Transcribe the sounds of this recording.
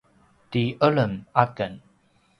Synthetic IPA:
tiʔələmakən

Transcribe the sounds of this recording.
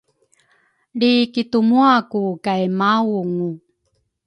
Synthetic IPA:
likitumuakukajmawuŋu

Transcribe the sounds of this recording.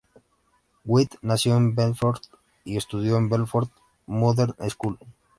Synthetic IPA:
wit̪nasjõnmbenfoɾt̪ | iest̪uðjoembelfoɾt̪ | moðeɾneskul

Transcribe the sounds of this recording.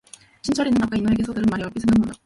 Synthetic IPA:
t͡ɕʰint͡ɕʰʌɾinɯnapk͈ainoɾeɡesʰʌdɯɾɯnmaɾiʌp͈isʰeŋɡɯnɡʌn

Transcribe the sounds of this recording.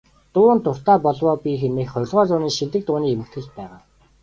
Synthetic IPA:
t̪ʊːnt̪ʊr̥t̪aːpɔɮwɔːpʲixemeːxχœɾʲɮʁɔːt͡sʊːniːŋʃit̪ɘ̆k̚t̪ʊːniːemɘ̆kt̪xɘ̆ɮpæːʁaː

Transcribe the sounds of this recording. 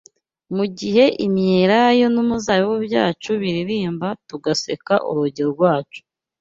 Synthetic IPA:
muɟiɦe̞ʔimɲeɾajo̞numuzajowebja̰ːt͡ʃuβiɾiɾiːmbatuɡase̞ka̰ʔṵɾuɟiɾoɾɡwaːt͡ʃu̥

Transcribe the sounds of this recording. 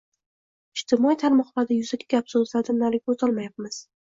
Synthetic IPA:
ɪʃt̪ʰɪmɒit̪ʰaɾmɒqvad̪ajʊzakʲʰɪɡʲap̚sozlad̪ɪmnalɪk̚ʲot̪ɒlˠmajap̚mɪz̥

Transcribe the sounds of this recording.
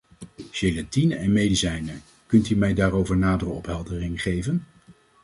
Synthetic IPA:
ʃelatinəɛnmejdisɛjnə | kɵntymɛjdaːɾowvəɹnaːdərəɔpɦɛlˠdərɪŋχejvən

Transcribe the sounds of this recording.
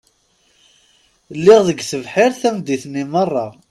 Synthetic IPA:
lːɪʁðəɡθəvħɪɾθæmd̪iθnːimərˤːɑ

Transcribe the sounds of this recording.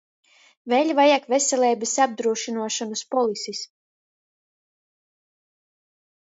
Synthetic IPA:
velʲvajakvesɛlʲɛːbʲɛsab̚d̪ɾuɔʃinuɔʃanuspɔlˠisis

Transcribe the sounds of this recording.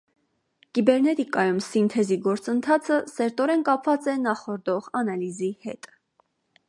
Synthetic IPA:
kibɛɾnɛt̪ikɑjumsint̪ʰɛziɡɔɾt͡sənt̪ʰɑt͡sʰəsɛɾt̪ɔɾɛnkɑpʰvɑt͡sɛnɑχɔɾd̪ɔʁɑnɑlizihɛt̪

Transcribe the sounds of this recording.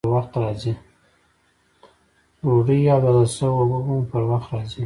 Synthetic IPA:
waxt̪ɾɑzi | ɾoɖəjjɑd̪ədəsəwobəbumpəɾwaxt̪ɾɑzi

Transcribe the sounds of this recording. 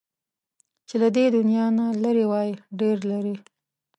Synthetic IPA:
t͡ʃelad̪ed̪ʊnjɑnalaɾiwɑjɖeɾlaɾi

